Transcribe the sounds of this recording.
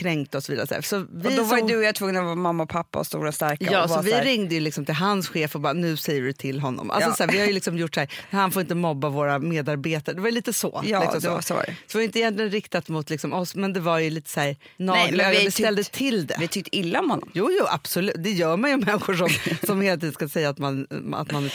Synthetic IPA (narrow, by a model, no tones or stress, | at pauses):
kʰɾɛŋkt̪əɔsɔvḭd̪aɾɔsæ̰ːsɔvɪd̪ɔvad̪ɵjat̪ʰvɵŋːənavɑːmamːaɔpʰapːa̰ɔ̰st̪ṵːɾast̪æɾkaɑːsɔvɪɾɪŋd̪əjɵlɪksɔmt̪ʰɪlɦansɧeːfɔbɑːɾanʉ̟ːsɛjːəɾɪt̪ʰɪlːɦɔnːɔ̰mʔa̰lsɔsæːɾvɪhaɾjʏlɪksɔmjʊʈːæːɾhanfoːɾɪnt̪əmɔbːavoːɾameːd̪aɾbeːt̪aɾəɖ̪ɛvaɾjliːt̪əsɔ̰j̰lɪksɔmsɾɛd̪ɛvɪhaɾʏɪnt̪əɪjɛnlɪɡənɾɪkt̪at̪mʊt̪lɪksɔmɔsmɛnd̪ɛvaɾjɵliːt̪ə̥sæːɾ | nɑːɡlaabɛst̪ɛld̪ət̪ʰɪld̪ɛ̰vɪt̪ʏk̚t̪ɪlːaɔmhɔnːɔ̰mjuːjuːʔa̰b̥sɔlʉ̟ːt̪̚d̪ɛjœːɾmanjʊmɛnːɪɧʊʂɔmsɔmheːlat̪iːd̪nskasɛjːaːt̪mana̰t̪man